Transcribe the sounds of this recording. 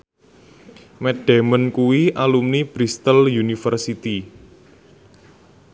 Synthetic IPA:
mɛɖ̥ɛ̤mənkuwiʔalumnib̥ɾist̪əljunifərsit̪i

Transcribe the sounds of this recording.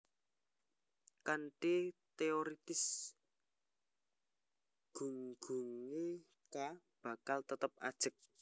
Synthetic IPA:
kanʈit̪eoɾit̪ɪs | ɡ̥ṳŋɡ̥uŋe | ka | b̥a̤kalt̪ət̪əp̚a̰d̥ʒ̥ə̤k̚

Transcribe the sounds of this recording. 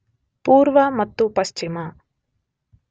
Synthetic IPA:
puːɾʋɐmɐt̪ːupɐʃt͡ʃimɐ

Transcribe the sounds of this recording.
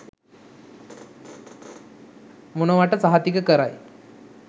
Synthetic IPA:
munoʋaʈət͡saɦat̪ikəkəɾa̰j

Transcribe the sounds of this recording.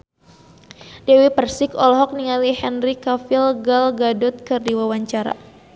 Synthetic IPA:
dɛwipərsɪkɔlɔɦɔk̚niŋalihɛnrikafilɡalɡadɔt̪̚kɨrdiwawaɲt͡ʃaɾa̰

